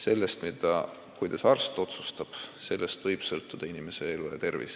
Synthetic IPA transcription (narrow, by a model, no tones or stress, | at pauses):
se̞lːe̞st̪mid̪ɑ | kujd̪̥ɑsɑrst̪o̞t̪sust̪ɑb̥se̞lːe̞st̪vɤjb̥sɤlt̪ˑːud̪̥ɑinime̞se̞elujɑ̰t̪e̞rvḭs